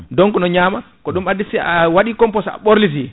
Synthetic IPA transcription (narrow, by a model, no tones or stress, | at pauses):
dɔŋkɔnɔɲaːma | kɔɗumadisiawaɗikɔmpɔsa̰ɓoɾlis̬i